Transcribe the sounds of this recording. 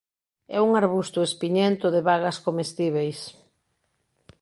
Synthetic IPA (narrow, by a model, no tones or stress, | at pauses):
ɛuŋaɾβust̪ʊespiɲent̪ʊðeβaɣɐskomest̪iβejs